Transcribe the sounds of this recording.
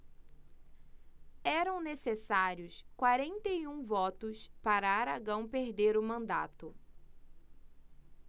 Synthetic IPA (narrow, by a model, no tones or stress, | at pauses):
ɛɾɐ̃w̃nesesaɾjʊskwaɾẽnt̪ejũvɔt̪ʊspaɾɐaɾaɡɐ̃w̃peɾd̪eɾʊmɐ̃nd̪a̰t̪ʊ